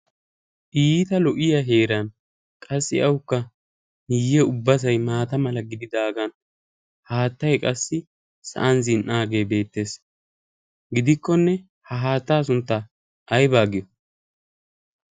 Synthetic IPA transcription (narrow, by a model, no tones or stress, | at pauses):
ʔiːt̪ɐlɔʔɪjɐɦe̞ːɾɐn | kʼɐsːɪʔɐwkːɐ | nɪjːɛʊbːɐs̬ɐjmaːt̪ɐmɐlɐɡɪd̪ɪd̪aːɡɐn | haːt̪ːɐjkʼɐsːɪ | sɐ̰ʔɐnzɪnʔaːɡe̞ːbe̞ːt̪ːe̞ːs | ɡɪd̪ɪkːɔnːɛ | hɐɦaːt̪ːaːs̬ʊnt̪ːɐ | ʔɐjbaːɡɪjɔ